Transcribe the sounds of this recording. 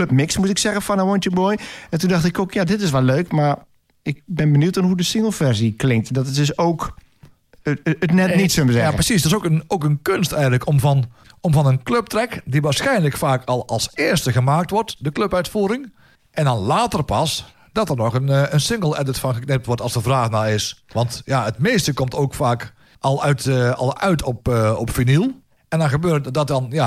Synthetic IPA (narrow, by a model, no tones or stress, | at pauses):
løpmɪksmustɪksɛɣənfɔnʋojntjəmojɛntundɑxtɪkokjaːdɪtɪs̬ʋɛlːøːkmar | ɪk̚bɪnbənjutɔnɦudəsɪŋəl̩ˠfɛrziklɪŋk̚tdɔttɪsoːk | ətnɛtnitsøʋəsɛaəpəsisdɪsokənoːkənkønstɛjɣənləkʰomvɔnɔmvɑnənkløp̚trɛkdiʋaːsxɛjnləkfaːkʰɑlˠɑlˠsɪːrstəɣəmaːk̚tʋɔrtdəkløpœɥtfuːɾɪŋ | ʔɛndɑnlaːtərpɑs | d̥ɑtərnɔxənənsɪŋɡəlˠɛdətfɑnɣəknɪp̚tʋɔrtɑlˠsdəvraːxnaɪsʋɑntjaətmeːstəkɔmtoːkfaːk | ʔɑlˠœɥtɑlˠœɥtʰɔpɔpfinilˠ | ɛndɔnɣəbøːrdɔt̚dɑnja